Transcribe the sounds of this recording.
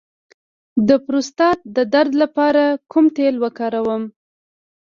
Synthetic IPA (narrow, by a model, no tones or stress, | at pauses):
d̪əpɾost̪ɑt̪̚d̪əd̪aɾd̪lapɑɾakʰumt̪elwəkɑɾawəm